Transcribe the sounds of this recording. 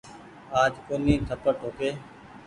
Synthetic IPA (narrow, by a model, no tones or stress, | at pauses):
aːd͡ʒkoːnĩːt̪ʰəpəʈʰoːkeː